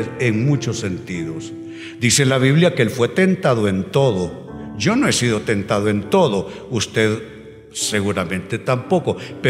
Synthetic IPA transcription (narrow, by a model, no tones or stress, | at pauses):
eŋmut͡ʃosːe̞nt̪iðos | d̪iselaβ̞iβljakelfwe̞t̪e̞nt̪aðoe̞nt̪o̞ðo | d͡ʒo̞noe̞siðo̞t̪e̞nt̪aðoe̞nt̪o̞ðo̞ | ust̪e̞ð | se̞ɣuɾamẽ̞nt̪e̞t̪ampo̞ko̞pe